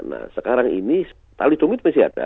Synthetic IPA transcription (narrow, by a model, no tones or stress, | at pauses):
na̰səkaɾaŋḭni | t̪alid̥̪omit̪̚mɛsia̰d̥a̰